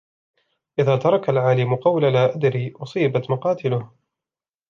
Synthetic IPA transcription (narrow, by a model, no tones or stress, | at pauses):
ʔɪðaːt̪ɑɾˤɑkalʕaːlɪmʊqɑwlalaːʔad̪ɾiːʔʊsˤiːbat̪mʊqɑːt̪ɪlʊh